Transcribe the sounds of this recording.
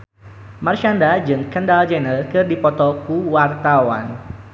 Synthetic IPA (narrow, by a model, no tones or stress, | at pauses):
marʃandad͡ʒɨŋkəndald͡ʒɛnərkɨrdipɔt̪ɔkuwart̪awa̰n